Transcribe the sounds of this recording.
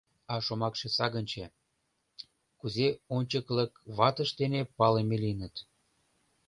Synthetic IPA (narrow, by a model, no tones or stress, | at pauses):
ɑʃomɑkʃesɑɣənʲt͡ɕe | kuzeonʲt͡ɕəkləkβɑt̪əʃt̪enepɑlemelinət̪